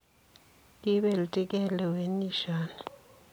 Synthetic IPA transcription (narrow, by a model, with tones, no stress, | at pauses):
kʼi˦ɓɛ˨li˨tʼi˦k̬ʼɛlɛ˨we˨ni˦ʃaːna